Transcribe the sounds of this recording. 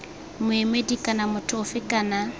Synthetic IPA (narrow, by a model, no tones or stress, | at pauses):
mʊemedikʼanamʊtʰɔfɪkana